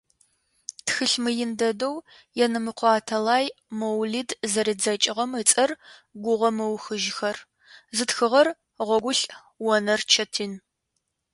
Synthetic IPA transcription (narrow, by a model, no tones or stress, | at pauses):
txɨɬmɨjɪndɐdow | jɛnɨmɨqʷɑːtʰɐlaːjmɐwlidzɐɾɨd͡zɐt͡ʃʼɪʁɐmɨt͡sʼɐrɡʷʊʁɐmɨwxɨʒxɐr | zɨtxɨʁɐr | ʁʷɔɡʷʊɬʼ | wɔnɐrt͡ʃʰɐtʰiːn